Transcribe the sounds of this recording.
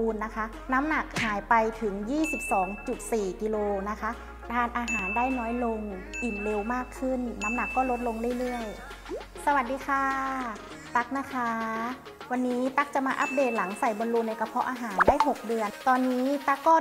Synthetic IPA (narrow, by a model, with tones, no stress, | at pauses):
nːa˦˥kʰa˦˥ | na˦˥mna˨˩k̚haː˩˦jpa˧jt̪ʰɯ˩˦ŋjiː˥˩si˨˩p̚sɔː˩˦ŋt͡ɕu˨˩t̪̚siː˨˩ki˧loː˧na˦˥kʰa˦˥ | daː˧˩nʔaː˧ɦaː˩˦nda˥˩jnɔː˦˥jlo˧ŋʔi˨˩nle˧wmaː˥˩kʰːɯ˥˩nna˦˥mna˨˩kːɔː˥˩lo˦˥t̪̚lo˧ŋlɯ˥˩əjlɯ˥˩əj | sa˧wa˨˩t̪̚diː˧kʰaː˧˥ | t̪a˦˥k̚na˦˧˥kʰa˦˥ | wa˧nːiː˦˥t̪a˦˥k̚t͡ɕa˨˩maː˧ʔa˦˥p̚deː˨˩t̪̚la˩˦ŋsa˨˩jbo˧nluː˧nːa˧ka˧pʰɔ˦˥ʔaː˧ɦaː˩˦ndaː˥˩jɦo˨˩k̚dɯ˧ənt̪ɔː˧nːiː˦˥t̪a˦˥˩kːɔː˥˩